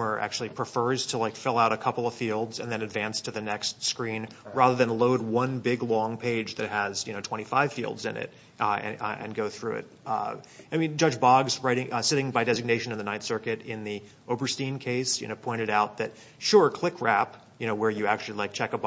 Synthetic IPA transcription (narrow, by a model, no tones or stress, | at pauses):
ə˞ʔæ̰k̚t͡ʃʉl̩ˠipʰɹ̥ɨfɜ˞z̥tʰəlaɪkfɪlˠaʊɾɨkʰʌpl̩ˠʌv̥filˠdzɨ̰̃nðɨ̃nɨdvæ̃nstʰɨðɨnɛkstskɹĩnɹæðə˞ðɨ̃nloʊd̚wʌ̃nbɪɡlɔ̃ŋpʰeɪd͡ʒðɨt̚həz̥jɨñoʊtʰw̥ɛ̃ɾ̃ifaɪv̥fḭlˠdzɨ̰̃nɪ̰t | ɨɨ̰̃nɡoʊθɹʉɪ̰t̚ | aɪmĩnd͡ʒʌd͡ʒbɑɡzɹaɪɾɪ̃ŋsɪɾɪ̃ŋbaɪdɛzɨɡ̚neɪʃɨ̃nɨ̃nðɨnaɪtsɜ˞kɨɾɪ̃nði | ʔoʊbə˞stĩnkʰeɪsjɨ̰noʊpʰɔ̃ɪ̃ɾ̃ɨɾaʊt̪̚ðɨt̚ | ʃʊɹkʰl̥ɪkʰɹæp | jɨñoʊwə˞jɨæk̚t͡ʃʉl̩ˠilaɪk̚t͡ʃʰɛkəb